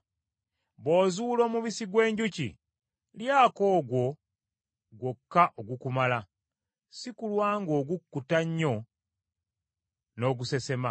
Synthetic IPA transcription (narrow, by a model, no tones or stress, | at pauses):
βo̞ːzuːlo̞ːmuβisiɡwe̞ːɲɟucḭ | ljaːko̞ːɡwo̞ | ɡwokːaʔoɡukumala | sikulwaːŋɡo̞ːɡukːutaɲːo̞ | no̞ːɡuse̞se̞ma